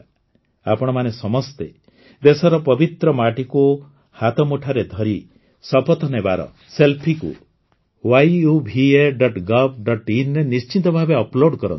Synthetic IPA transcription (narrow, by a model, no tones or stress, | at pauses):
apɔɽ̃ɔmanesɔmɔst̪e | d̪esɔɾɔpɔbit̪ɾɔmaʈiku | hat̪ɔmuʈʰaɾed̪ʱɔɾi | sɔpɔt̪ɔnebaɾɔ̰ | selpʰikṵ | wajubʱieɖɔʈɡɔbɖɔʈinɾenist͡ʃint̪ɔbʱabeɔploɖkɔɾɔ̰nt̪i